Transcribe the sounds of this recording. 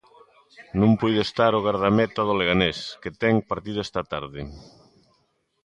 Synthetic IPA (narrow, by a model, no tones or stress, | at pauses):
nũmpujðest̪aɾoɣaɾð̞amɛt̪aðoleɣanesket̪ɛŋpaɾt̪iðoɛst̪at̪aɾðɪ